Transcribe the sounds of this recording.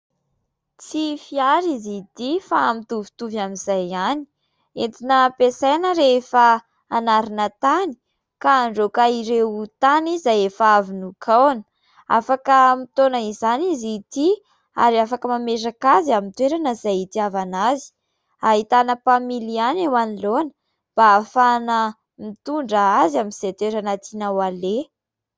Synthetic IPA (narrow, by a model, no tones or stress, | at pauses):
t͡sifiaɾizit̪ifamit̪uvi̥t̪uvamizajani̥ | ent̪inəpesajnəɾefə | anaɾinət̪ani̥ | kaːɳɖ͡ʐokaiɾewut̪anizajefavinukʰawanə̥ | a̰fakəmit̪onəizanizit̪i | a̰ɾiafakəmamesakaziamint̪weɾanəzajit̪iavanazi̥ | aɦit̪anəpamilianewanilonə | b̥aːfanə | mit̪uɳɖ͡ʐəazaminzet̪weɾanat̪inawale